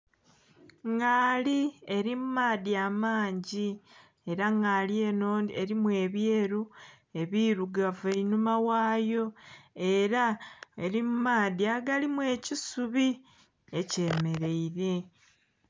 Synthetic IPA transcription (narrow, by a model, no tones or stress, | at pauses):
ŋɡaːlie̞ɾimumaːðiaːmaːɲɟi | e̞ɾaŋaːlie̞noːneɾimwe̞ːβjeːɾu | e̞βiɾuɡaveinumawaːjo̞e̞ɾaeɾimumaːðiaɡalimwe̞ːcisuβi | e̞ce̞ːme̞ɾe̞iɾe̞